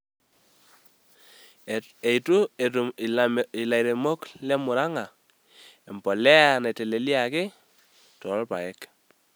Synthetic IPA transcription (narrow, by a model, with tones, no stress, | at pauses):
e˨i˨tu˦˨ | i˨la˨jɾe˨mo˦klɛ˦mʊ˨ɾa˦ŋa˨ | e˨mpɔ˨lɛ˦a˨ne˨te˨le˨li˦a˨ke˦ | tɔ˨ɾɔ˦lpa˨jɛ˦k